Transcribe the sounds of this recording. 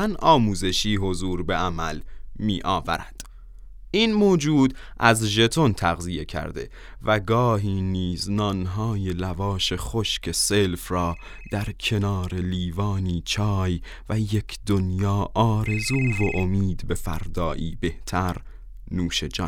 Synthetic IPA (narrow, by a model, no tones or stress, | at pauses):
ænʔɒːmuːze̞ʃiːɦo̞zuːɾbe̞æmælmiːʔɒːvæɾæd̪̥ | iːnmoːd͡ʒuːd̪ | ʔæzʒe̞t̪ʰo̞nt̪ʰæɣzije̞cʰæ̰ɾd̪e̞̰ | væɡɒːɦiːniːznɒːnɦɒːje̞lævɒːʃe̞χoʃcʰe̞selfrɒː | d̪̥æɾkʰe̞nɒːɾe̞liːvɒːniːt͡ʃʰɒːj | væje̞kʰd̪onjɒːʔɒːɾe̞zuːvoʔomiːd̪be̞fæ̰ɾd̪ɒːʔiːbe̞ht̪ʰæɾ | nuːʃed͡ʒɒ̰ː